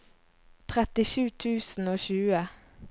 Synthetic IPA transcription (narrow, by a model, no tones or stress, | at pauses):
t̪ʰʁɛt̪ɪʃʉːt̪ʰʉːsn̩oːçʉːə